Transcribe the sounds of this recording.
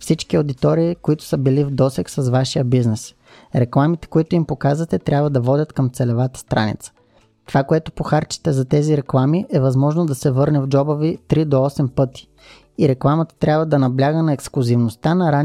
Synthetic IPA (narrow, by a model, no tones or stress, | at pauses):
fsit͡ʃkiod̪it̪ɔɾiːkoit̪ʊ̥səbilivd̪ɔsɛksɐszvaʃijəbiznɛs | ɾɛklˠamit̪ɛ̥koit̪ʊimpokazvət̪ɛt̪ɾʲabvəd̪ɐvɔd̪ʲət̪kɐmt̪sɛlɛvat̪ə̥st̪ɾa̰nḭt̪sə̥ | t̪ovakoɛt̪ʊpoxaɾt͡ʃi̥t̪ɛzɐt̪ɛziɾɛklˠamiʔɛvɐzmɔʒnod̪ɐsɛvɤɾnɛvd͡ʒɔbəvit̪ɾid̪oɔsɛmpɤt̪i̥ | iɾɛklˠamɐt̪ə̥t̪ɾʲjabvəd̪ɐnɐblʲaɡənɐɛksklˠʊzivnost̪anɐɾan